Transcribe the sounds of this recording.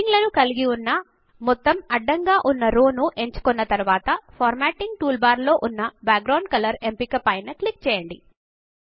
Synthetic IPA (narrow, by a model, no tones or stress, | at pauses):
iŋɡlɐnukɐliɡiunːɐ | mɔt̪ːɐmɐɖːɐŋɡaːʔunːɐɾoːnuʔe̞ɲt͡ʃu̥kɔnːɐt̪ɐɾuʋaːt̪ɐpʰɔːɾmaːʈiŋɡ̚ʈuːlbaːɾlo̞ːʔunːɐbaːk̚ɡɾɐwɳɖ̚kɐlɐɾe̞mpikɐpɐjnɐklik̚t͡ʃɛːjɐɳɖḭ